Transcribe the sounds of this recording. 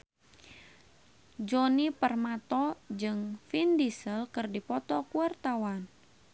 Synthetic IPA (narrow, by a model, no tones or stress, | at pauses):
d͡ʒɔnipərmat̪ɔd͡ʒɨŋfindisəlkɨrdipɔt̪ɔkuart̪awan